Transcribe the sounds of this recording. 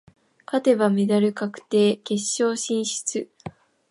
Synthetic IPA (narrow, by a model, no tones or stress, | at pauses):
kat̪e̞βamed̪aɾɯ̟kakɯ̟̥t̪e̞ːke̞ɕːo̞ːɕĩɰ̃ɕi̥t͡sɨ